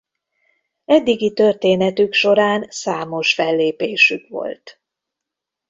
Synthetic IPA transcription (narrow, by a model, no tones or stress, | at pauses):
ɛd̪ːiɡit̪ø̞rt̪eːnɛt̪ykʃo̞ɾaːnsaːmo̞ʃfɛlːeːpeːʃykʋo̞̰lt̪